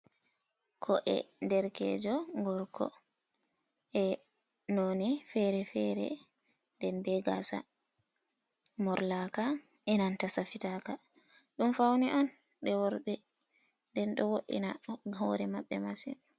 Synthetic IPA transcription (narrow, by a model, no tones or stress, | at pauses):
kʰɔʔɛ̰ndɛɾkɛ̰d͡ʒɔŋɡɔɾkʰɔ̰ | ʔɛnonifɛɾɛfɛɾɛ̰ndɛnbɛɡa̰sa̰ | mɔɾlakaʔɛnantasafitaka | ɗumfawniʔɔn | ɗɛwɔɾɓɛ | ndɛnɗɔwoʔḭna̰ɦɔɾɛmaɓːɛmasḭn